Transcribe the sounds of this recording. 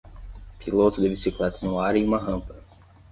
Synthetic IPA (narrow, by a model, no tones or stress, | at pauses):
pʰilot̪ʊd̪ɪbisiklɛt̪ɐnũaɾiũmɐɦɐ̃mpɐ